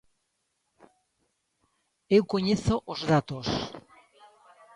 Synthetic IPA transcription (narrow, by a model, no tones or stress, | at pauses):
ewkoɲeθoʔozðat̪os